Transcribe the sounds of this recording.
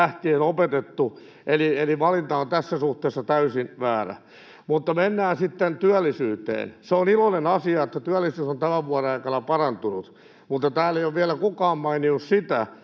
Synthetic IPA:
æht̪ienopet̪et̪ːu | ʔelieliʋɑlint̪ɑont̪æsːæsuht̪eːsːɑt̪æysinʋæːræ̰ | mut̪ːɑmenːæːnsit̪ːent̪yælːisyːt̪ḛːnseonilonenɑsiɑet̪ːæt̪yælːisyːsont̪æmæʋʋuɑreɑikɑnɑpɑrɑnt̪unut̪ | mut̪ːɑt̪æːlːeijoʋʋiælækukɑːmmɑininussit̪æ

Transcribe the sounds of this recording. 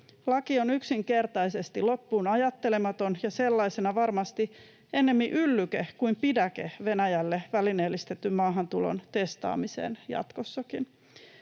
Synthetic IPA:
lɑkio̞nyksiŋke̞rt̪ɑise̞st̪ilo̞pːuːnɑjɑt̪ːe̞le̞mɑt̪o̞njɑselːɑjsenɑʋɑrmɑst̪i | e̞nːe̞mːiʔylːykekuimpidæke̞ʋe̞næjælːeʋælineːlist̪et̪ːymmɑːɦɑnt̪ulo̰nt̪e̞st̪ɑ̰ːmise̞̰ːnjɑ̰t̪kosːɑkin

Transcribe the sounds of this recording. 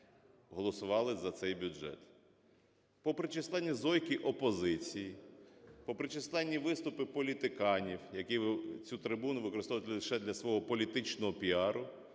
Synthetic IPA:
ɦɔlˠɔsʊʋɑlˠɪzɐt̪sɛjbʲʊʒɛ̰t̪ | pɔpɾɪt͡ʃɪslˠɛnʲːizɔjkiʔɔpɔzɪt͡sʲijipɔpɾɪt͡ʃɪslˠɛnʲːiʋɪst̪ʊpɪpɔlʲit̪ɪkɑnʲiwjɐkit͡sʲut̪ɾɪbunʊʋɪkɔɾɪst̪ɔʋɐt̪lʲlˠʃɛd̪lʲɐsʋɔɦɔpɔlʲit̪ɪt͡ʃnɔɦɔpʲiɑɾʊ

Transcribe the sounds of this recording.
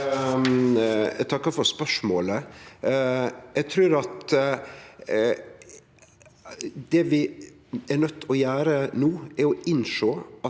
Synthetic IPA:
t̪ʰɑkːəfɔɾspœʂmoːlə | jɛɡt̪ʰɾʉːɾɑt̪ | d̪ɛʋɪ | æɾnœt̪ʰːɔjæːɾənuːɛɾjʊɪnʂoːɑ

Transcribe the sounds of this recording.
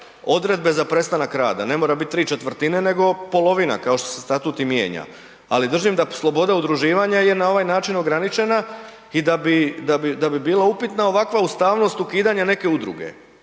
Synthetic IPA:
o̞d̪ɾe̞d̪̚be̞zapɾe̞st̪anakːɾaːd̪a̰ne̞moːɾabit̪̚ʲt̪ːɾiːt͡ʃe̞t̪ʋr̩t̪ine̞ne̞ɡo̞po̞lˠo̞ʋina̰kao̞ʃt̪o̞̥se̞̥st̪at̪ut̪imjḛːɲa̰ | a̰lid̪r̩ʒimd̪aslˠo̞bo̞d̪aud̪ɾuʒiːʋaɲaje̞nao̞ʋajnaːt͡ʃino̞ɡɾanit͡ʃe̞na | id̪abid̪abid̪abibiːlˠaupit̪nao̞ʋakʋaust̪aːʋno̞st̪ukiːd̪aɲane̞ke̞ud̪ɾṵɡḛ

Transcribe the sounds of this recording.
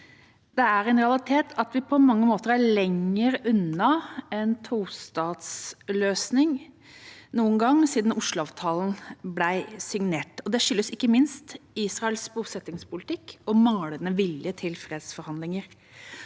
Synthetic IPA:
d̪̥ɛæɾɛnɾɛɑlɪt̪ʰeːt̪ʰɑt̪ʋɪpʰɔmɑŋːəmoːt̪əɾæɭɛŋːəɾʉnɑɛnt̪ʰuːst̪ɑːt̪sløːsnɪŋ | nuːənɡɑŋːsiːd̪n̩ʊʂlʊɑːʋt̪ʰɑːln̩blæɪsɪŋneːʈɔd̪ɛʃʏlːəsɪkːəmɪnst̪iːsɾɑɛlsbuːsɛt̪ːɪŋspʰʊlɪt̪ɪkːɔmɑːɽənəʋɪljət̪ʰɪlfɾeːd̪sfɔɾhɑnd̪lɪŋəɾ

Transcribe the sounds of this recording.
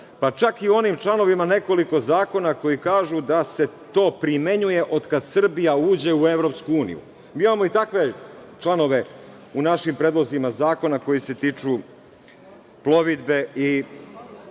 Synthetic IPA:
pat͡ʃakiuo̞nimt͡ʃlˠano̞ʋimane̞ko̞liko̞zaːko̞nako̞jikaːʒud̪ase̞t̪o̞ːpɾime̞ɲuje̞ʔo̞d̪kad̪sr̩bijauːd͡ʑe̞ue̞ʋɾo̞ːpskuuːnḭjṵ | miːimamo̞it̪akʋe̞t͡ʃlˠano̞ʋe̞ | unaʃimpɾed̪lˠozimazaːko̞nako̞jise̞t̪iːt͡ʂu | plo̞ʋid̪be̞i

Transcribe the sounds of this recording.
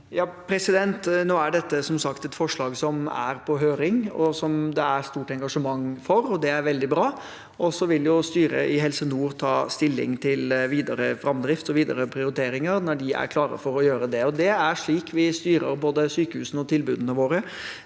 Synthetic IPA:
jɑːpʰɾɛsɪd̪ɛnt̪noːæɖɛt̪ːəsɔmsɑkt̪ɛt̪fɔʂɭɑːɡsɔmæ̰ɾpʰɔɦøːɾɪŋɔsɔmd̪ɛæɾst̪uːʈɛŋɡɑʂəmɑŋfɔɾɔd̪ɛæɾʋɛld̪ɪbɾɑː | ʔɔsɔʋɪljʊst̪yːɾə̰ʔɪɦɛlsənuːɾt̪ʰɑːst̪ɪlːɪ̰ŋt̪ʰɪlʋiːd̪ɑɾəfɾɑmd̪ɾɪft̪ɔʋiːd̪ɑ̰ɾəpʰɾɪʊɾɪt̪ʰeːɾɪŋəɾnɔɖɪæ̰ɾkʰlɑːɾə̰fɔɾɔjøːɾəd̪ɛɔd̪ɛæɾʂɭiːkʋɪst̪yːɾəɾboːd̪əsyːkəhʉːsn̩ɔt̪ʰɪlbʉːd̪nəʋoːɾə

